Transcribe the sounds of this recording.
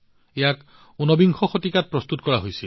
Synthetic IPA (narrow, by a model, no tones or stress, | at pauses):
ejak | unɔbiŋxʰɔxot̪ikat̪̚pɹɔst̪utkɔɹaɦojsil